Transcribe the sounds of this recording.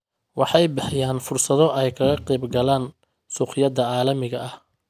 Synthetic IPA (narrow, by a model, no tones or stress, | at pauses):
wɑħɑjbɪħjaːnfʊrsɐðɔʔɛjkʰɐɣɐqiːbɡɐlaːn | suːqɪjɐd̪ɐʕɑːlɐmɪɣɐʔɐh